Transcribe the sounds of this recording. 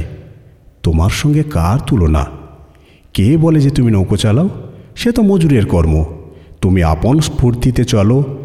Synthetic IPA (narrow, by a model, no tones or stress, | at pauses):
t̪omaɾʃɔŋɡekaɾt̪ʰulona̰ | kebɔled͡ʑet̪uminowkot͡ɕalaoʃet̪omod͡ʑuɾeɾkɔɾmot̪umia̰ponspuɾt̪it̪et͡ɕɔlo